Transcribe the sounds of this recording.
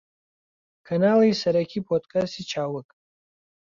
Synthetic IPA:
kʰɐnaːlijsɐɾɐkʰipʰod̪kast̪it͡ʃʰaːwək

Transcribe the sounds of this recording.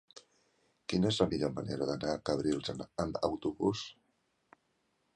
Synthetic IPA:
kinəezləmiʎoməneɾəðənakəβɾilˠzənəmbə̰wt̪uβus

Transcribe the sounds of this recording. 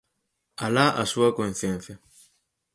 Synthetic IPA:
alaʔasuɐkon̟θjẽn̟θja

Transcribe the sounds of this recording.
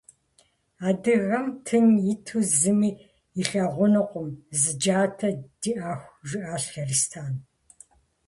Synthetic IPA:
aːdɨɣɐmtʰɨnjɪtʰuzɨmiː | iɬɐʁʷʊnɨqʷʊmzɨd͡ʒaːtʰɐd̥iʔaːxʷʒʷɪʔaːɬxɐrɨstʰaːn

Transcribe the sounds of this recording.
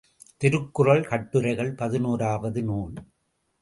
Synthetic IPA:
t̪ɪɾɯkːʊrɐɭkɐʈːɯɾɐɪɣɐɭpɐðɯnuːɾaːʋɐðɯnuːɳ

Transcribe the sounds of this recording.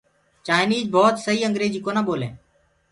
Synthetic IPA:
t͡ʃaːɪniːd͡ʒbɔːt̪səɦiːəŋɡɾeːd͡ʒiːkoːnaːɓoːlḛ̃ː

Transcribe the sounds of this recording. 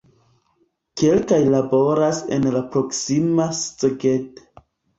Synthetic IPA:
ke̞lkajlabo̞ɾasḛnlapɾo̞ksimast͡seɡeto̥

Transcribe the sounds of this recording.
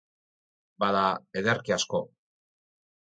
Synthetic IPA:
baðaeðeɾkiasko̞

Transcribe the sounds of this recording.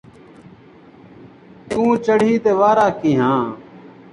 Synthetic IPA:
t̪ũːt͡ʃəɽ̤iːt̪eːʋaːɾaːkiːɦãː

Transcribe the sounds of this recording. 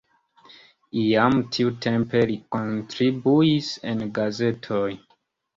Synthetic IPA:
iamtʰiutʰempe̞likontɾibuise̞̰nɡaze̞tʰoj

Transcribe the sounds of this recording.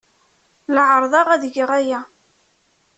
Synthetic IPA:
ləʕəɾˤðˤɑʁæðəʝəʁæjæ

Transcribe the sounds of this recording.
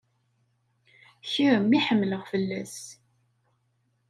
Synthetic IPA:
çiɾəmːiħəmːləʁfəlːæs

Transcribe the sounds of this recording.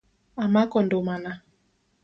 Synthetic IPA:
amakɔndomana

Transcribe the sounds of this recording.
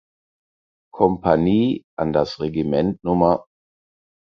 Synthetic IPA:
kʰɔmpʰaniːʔandasʁeɡimɛntnʊmɐ

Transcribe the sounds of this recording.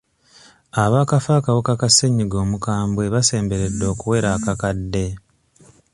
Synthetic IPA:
aβaːkafaːkawokakaseɲːiɡo̞ːmukaːmbwe̞βase̞ːmbe̞ɾe̞dːo̞ːkuwe̞ːɾakakadːe̞

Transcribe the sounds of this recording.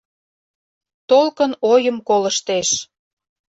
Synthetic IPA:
t̪olkənojəmkoləʃt̪eʃ

